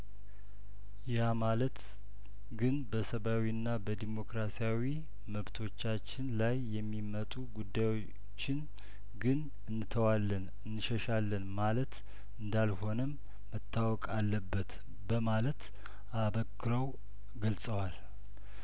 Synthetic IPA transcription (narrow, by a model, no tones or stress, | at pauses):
jamalət̪ | ɡɨnbəsəβawinːabəd̪imo̞kɾasijawi | məβt̪ʰo̞t͡ʃːat͡ʃːɪnlajːɛmːimət̪ʼuɡud̪ːajwo | t͡ʃːɪn | ɡɨn | ɨnːɨt̪ʰəwalːən | ɨnːɨʃəʃalːənmalət̪ | ɨnd̪alho̞nəmː | ət̪ʰːawɔkʼalːəbːət̪ | bəmalət̪ | aβəkːɨɾəw | ɡəlsʼəwal